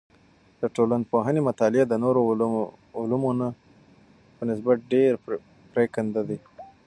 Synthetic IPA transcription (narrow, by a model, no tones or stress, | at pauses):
d̪̥əʈolanpoɦanemat̪ɑlɪad̪ənoɾo | ʊlumona | pənɪs̬bat̪̚ɖeɾ | pɾekand̪ad̪i